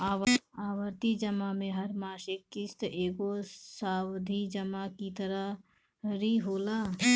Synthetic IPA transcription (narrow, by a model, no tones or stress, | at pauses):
aːaːʋəɾt̪id͡ʒəmamẽɦɐɾmaːʃɪkːɪst̪ʔeːɡosaːwd̪ʱid͡ʒəmakit̪əɾəɦ | ɾiɦoːlaː